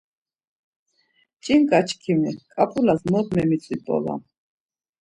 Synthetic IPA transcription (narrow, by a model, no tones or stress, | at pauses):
t͡ʃʼiŋkʼat͡ʃʰkʰimikʼapʼulazmɔɾmɛmit͡sʼipʼɔ̰la̰